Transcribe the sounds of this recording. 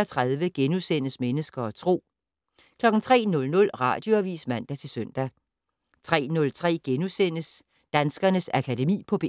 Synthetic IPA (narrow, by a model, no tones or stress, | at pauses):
ɐt͡sʰʁɑðˠʋəɡ̥enusenəsmenəsɡ̥ɐɒ̽t͡sʰʁo̝̰ː | kʰlɒ̽ɡ̥n̩t͡sʰʁɛ̰ːnɔ̽lnɔ̽lʁɑ̰̈ːd̥joæʋḭːsmæn̰d̥æt͡sʰe̝lsøn̰d̥æ | t͡sʰʁɛ̰ːnɔ̽lt͡sʰʁɛ̰ːɡ̥enusenəs | d̥ænsɡ̥ɐnəsækʰæde̝mḭːpʰɒ̽b̥e